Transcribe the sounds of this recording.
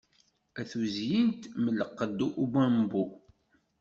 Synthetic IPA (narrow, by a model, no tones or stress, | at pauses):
æθuzjint̪mələqːəd̪ːuʔubæmbu